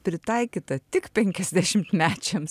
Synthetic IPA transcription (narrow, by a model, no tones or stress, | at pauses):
pʲɾʲɪt̪ɐɪkʲiːt̪ɐt̪ʲɪkpʲɛŋʲkʲɛzʲd̪ʲæʃʲɪmt̪mʲæːt͡ʃʲɛms